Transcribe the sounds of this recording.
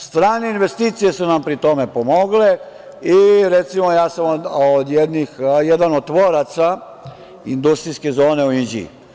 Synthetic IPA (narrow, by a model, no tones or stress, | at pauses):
st̪ɾaːneinʋe̞st̪iːt̪sije̞sunampɾit̪o̞me̞pomo̞ɡle | iɾet̪simojaːsamood̪jed̪nixjɛd̪anod̪̚t̪ʋoɾat̪sa | ind̪ust̪ɾiske̞zo̞ːne̞uind͡ʒḭ